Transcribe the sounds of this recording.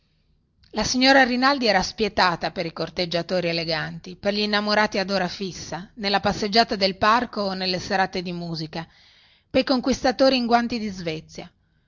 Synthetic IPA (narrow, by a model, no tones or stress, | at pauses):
lasiɲːoːɾarinald̪iɛːɾaspjet̪aːt̪apeɾikort̪ed͡ʒːat̪oːɾieleɡant̪iperʎiːnːamoɾaːt̪iad̪oːɾafisːanelːapasːed͡ʒːaːt̪ad̪elparkonelːeseɾat̪ed̪imuːzika | pejkoŋkwist̪at̪oːɾiːŋɡwant̪id̪izvɛt̪sːja